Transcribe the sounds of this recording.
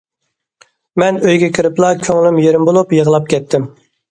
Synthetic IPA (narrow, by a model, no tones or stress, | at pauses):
mɛnøjɡʲɛkʲɪɾɪplˠɑkʲʰøŋlymjeɾɪmbolˠupjəʁlˠɑp̚kʲʰɛt̪ʰːɪm